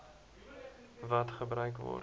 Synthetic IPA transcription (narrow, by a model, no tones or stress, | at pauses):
vɐtχəbɾœɥkvɔ̰r